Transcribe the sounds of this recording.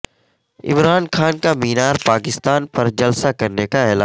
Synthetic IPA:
ɪ̰mɾaːnxaːnkamiːnaːɾpaːkɪst̪aːnpɐɾd͡ʒɐlsakɐɾnekaɛːlaː

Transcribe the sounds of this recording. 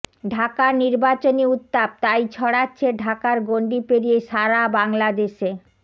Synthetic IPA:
ɖʱakaɾniɾbat͡ɕoniut̪ːab̚t̪ajt͡ɕʰɔɽatːɕʰeɖʱakaɾɡoɳɖipeɾijeʃaɾabaŋlad̪eʃe

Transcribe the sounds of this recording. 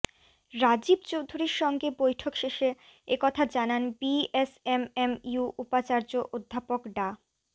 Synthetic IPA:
ɾad͡ʑibt͡ɕowd̪ʱuɾiɾʃɔŋɡebojʈʰokʃeʃe | ekɔt̪ʰad͡ʑananbiesememjuʔupat͡ɕaɾd͡ʑoʔod̪ʱːapokɖa

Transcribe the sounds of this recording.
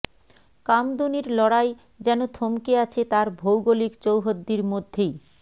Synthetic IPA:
kamd̪uniɾlɔɽaj | d͡ʑɛnot̪ʰomkeat͡ɕʰet̪aɾbʱowɡolikt͡ɕowɦod̪ːiɾmod̪ʱːej

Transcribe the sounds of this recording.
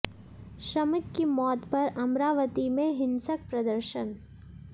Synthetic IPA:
ʃɾɐmɪkkimɔːt̪pɐɾɐmɾaːʋət̪imẽɦɪ̃nsək̚pɾɐd̪əɾʃən

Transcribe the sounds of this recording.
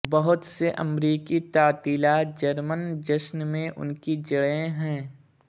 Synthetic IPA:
bɐɦʊt̪seʔɐ̰mɾiːkit̪ɐːt̪iːlaːt̪̚d͡ʒɐɾmənd͡ʒɐʃnmẽʔʊ̰nkid͡ʒɐɽẽɦɛ̃ː

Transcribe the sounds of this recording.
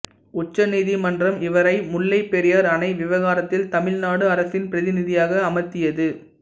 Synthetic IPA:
ʊt͡ʃːɐniːðimɐndrɐmɪʋɐɾɐɪmʊɭːɐɪpːɛɾɪjaːɾɐnɐɪʋɪʋɐɣaːɾɐt̪ːɪlt̪ɐmɪlnaːɽɯɐɾɐsɪnpɪɾɐðɪnɪðɪjaːɣɐːmɐt̪ːɪjɐðɯ

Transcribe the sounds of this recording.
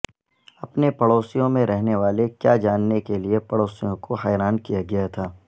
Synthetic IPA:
ɐpnepɐɽoːsijõmẽɾɛɦneʋaːlekjaːd͡ʒaːnːekeliepɐɽoːsijõkoɦɛːɾaːnkijaɡɐjat̪ʰaː

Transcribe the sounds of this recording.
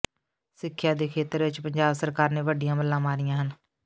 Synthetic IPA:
sɪkʰːjaːd̪eːkʰeːt̪əɾʋɪt͡ʃpəɲd͡ʒaːbsəɾkaːɾneːʋəɖɪjãːməlːãːmaːɾɪjãːɦən

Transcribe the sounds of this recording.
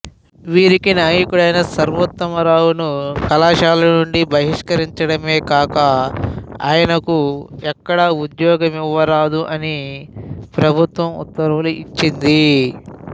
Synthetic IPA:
ʋiːɾikinaːjikuɽɐjnɐsɐɾʋɐt̪ːɐmɐɾaːwunukɐlaːʃaːlɐnuɳɖibʱɐɦiʂkɐɾiɲt͡ʃɐɽɐme̞ːkaːkɐ | a̰ːjɐnɐkuɛkːɐɽɐud̪jɔːɡɐmiʋːɐɾaːd̪uʔɐni | pɾɐbʱut̪ʋɐmṵt̪ːɐɾʋɐluʔit͡ʃːind̪i

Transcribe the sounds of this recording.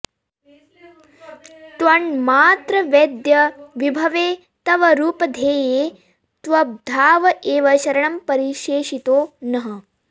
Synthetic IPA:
t̪ʋɐɳmaːt̪ɾɐʋed̪jɐʋibʱɐʋeː | t̪ɐʋɐɾuːpɐd̪ʱeːjeː | t̪ʋɐb̚d̪ʱaːʋɐʔeːʋɐʃɐɾɐɳɐmpɐɾiʃeːʃit̪oːnɐɦɐ

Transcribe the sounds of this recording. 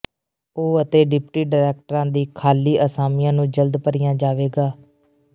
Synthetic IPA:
oːət̪eːɖɪpʈiːɖaːɾɛːk̚ʈəɾãːd̪iːkʰaːliːʔəsaːmɪjãːnũːd͡ʒəld̪pəɾɪːjãːd͡ʒaːʋeːɡaː

